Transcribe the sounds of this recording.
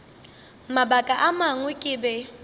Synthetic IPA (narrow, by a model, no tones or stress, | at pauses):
mabakʼaʔamaŋ̩wɪkʼɪbɛ